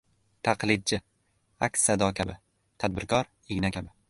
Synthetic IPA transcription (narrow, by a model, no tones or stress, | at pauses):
t̪ʰaqlɪd̪̚d͡ʒɪ | a̰kʲsːad̪ɒkʲʰabɪ | t̪ʰad̪̚bɪɾkʰɒɾ | eɡʲnakʲʰabɪ